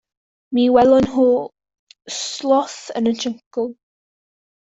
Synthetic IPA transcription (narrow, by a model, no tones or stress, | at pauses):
miːwɛlˠʊnɦuː | slɔθə̰nənt͡ʃʰəŋkʊlˠ